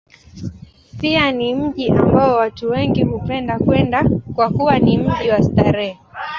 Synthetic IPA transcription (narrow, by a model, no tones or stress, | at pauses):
pianim̩ʄiʔambaɔwatuwɛŋɡihupɛndakwɛndakwakuwanim̩ʄiwastaɾɛ